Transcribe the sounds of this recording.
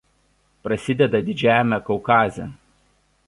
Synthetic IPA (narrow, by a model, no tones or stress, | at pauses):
pɾɐsʲɪd̪ʲɛd̪ɐd̪ʲɪd͡ʒʲæːjmʲɛkɔʊkɑːzʲɛ